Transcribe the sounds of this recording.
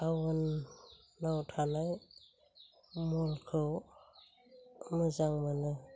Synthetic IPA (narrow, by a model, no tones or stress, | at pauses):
awɯnː | awtʰanaj | mɔlkʰɯw | mɯzaŋmanɯ